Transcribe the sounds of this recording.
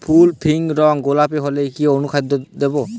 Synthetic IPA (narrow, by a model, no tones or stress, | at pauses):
pʰulpʰiŋɾɔŋɡolapeɦolekionukʰad̪ɔd̪ebɔ